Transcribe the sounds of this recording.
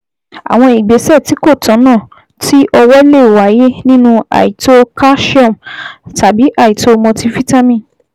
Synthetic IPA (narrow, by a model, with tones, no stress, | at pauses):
a̰˨w̃ɔ̃˧i˨ɡ͡be˨˦sɛ˦˨ti˨˦ko˦˨tʰã˨˦nãː˦˨ | ti˦ʔɔ˧wɛ˦le˦˨wa˨˦je˦nĩ˦nũ˧a̰˨ji˨to˦ka˦ʃɔ̃˦˨mta˨bi˨˦ʔa˦˨ji˨to˦mɔ̃˧ti˦fi˦ta˦mĩ˦˨